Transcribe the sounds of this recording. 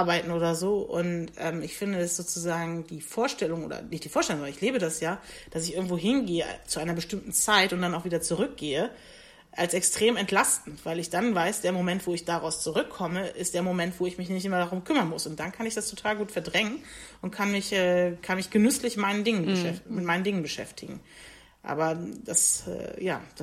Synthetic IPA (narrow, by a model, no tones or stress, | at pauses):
ʔaɐbaɪtn̩oːdɐzoːʔʊ̰ntʔɛ̰ːmɪçfɪndəɛsz̥oːt͡suzaːɡŋ̩diːfoːɐʃtɛlʊŋʔo̰ːdɐ̰nɪçtd̥iːfoːɐʃtɛlʊŋʔabɐɪçliːbədasjaːd̥asɪçʔɪɐɡŋ̩tv̥oːɦɪnɡeːə̰t͡suʔaɪnɐbəʃtɪmtn̩t͡saɪtʊnt̚d̥anaʊfviːdɐt͡suʁʏk̚ɡ̥eːə | ʔalsɛkstʁ̥eːmɛntlastn̩tv̥aɪlɪçd̥anvaɪsd̥eːɐmomɛntv̥oːɪçd̥aʁaʊst͡suʁʏkʰːɔməʔɪstd̥eːɐmomɛntv̥oːɪçmɪçnɪçtʔɪmɐdaʁ̞ʊmkʰʏmɐnmʊsʊnt̚d̥ankʰanɪçd̥astʰotʰaːlɡuːtfɛɐdʁɛŋənʔʊntkʰanmɪçʔɛːkʰanmɪçɡ̥ənʏslɪçtmaɪnəndɪŋənbəʃɛmɪt̚maɪnəndɪŋənbəʃɛ̰ftʰɪɡŋ̩ | ʔa̰ːbɐd̥asɛ̰ːja̰ːd̥a